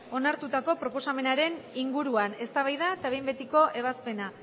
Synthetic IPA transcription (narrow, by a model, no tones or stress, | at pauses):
o̞naɾt̪ut̪ako̞pɾo̞po̞same̞naɾe̞niŋɡuɾuane̞st̪aβajðaet̪aβe̞jmbet̪iko̞ʔe̞β̞aspe̞na